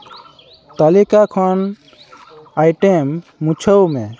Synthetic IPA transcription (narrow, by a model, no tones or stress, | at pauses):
t̪əlikakʰən | ajʈemːũt͡ʃʰəwmẽ